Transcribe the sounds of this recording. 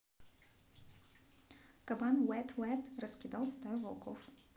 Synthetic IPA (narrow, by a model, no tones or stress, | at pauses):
kabanwɛt̪ʰwɛt̪ɾɐskʲid̪awst̪avɔlˠkʰɔ̰f